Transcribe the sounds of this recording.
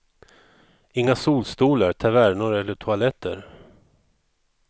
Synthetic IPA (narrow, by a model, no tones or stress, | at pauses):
ɪŋːasuːlst̪uːlaɾt̪ʰavæɾɳʊɾɛlːəʈʰʊalɛt̪ʰːə̰ɾ